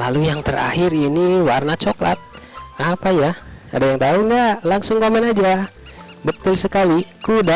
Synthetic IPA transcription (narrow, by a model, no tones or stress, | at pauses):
lalujaŋt̪əra̰hɪriniwarnat͡ʃokla̰t̪̚ | apajaa̰dajaŋt̪auŋɡaʔlaŋsʊŋkomənad͡ʒa | bət̪ʊlsəkalikuda